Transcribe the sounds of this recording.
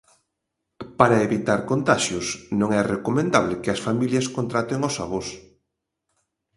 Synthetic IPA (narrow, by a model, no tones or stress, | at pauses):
paɾɐeβit̪aɾkont̪aʃjʊsnõŋɛrekomẽnd̪aβlɪkɪɐsfamiljɐskont̪ɾat̪eŋosa̰βos